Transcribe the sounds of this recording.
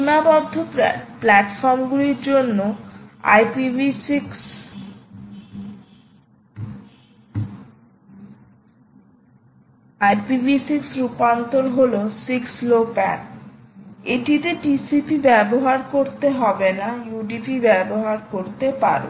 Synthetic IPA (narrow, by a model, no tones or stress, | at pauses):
unabɔd̪ʱːoplɛʈfɔɾmɡuliɾd͡ʑonːoa̰jpibiiks | ajpibisiksɾupant̪olɦolosikslopɛ̰ʈ | eʈiʈeʈisipibɛboɦaɾkoɾt̪eɦɔbenajuɖipibɛboɦaɾkoɾt̪epa̰ɾo̰